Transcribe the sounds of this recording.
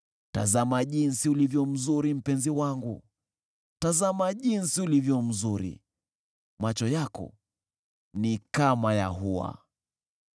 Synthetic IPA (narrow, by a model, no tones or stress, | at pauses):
ta̰zamaʄinsiulivjɔm̩zuɾim̩pɛnziwaŋɡṵ | tazamaʄinsiulivjɔm̩zuɾḭ | mat͡ʃɔjakɔ̰ | nikamaja̰ɦuwa̰